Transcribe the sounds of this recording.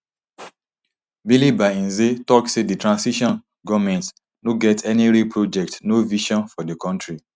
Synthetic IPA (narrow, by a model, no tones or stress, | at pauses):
bilibaĩnzetɔksedətɹãnsiʃɔ̃n | ɡɔvmɛ̃nt | noɡɛtʰɛniɾipʰɹod͡ʒɛk̚tnoviʃɔ̃nfɔdəkɔ̃ntɹi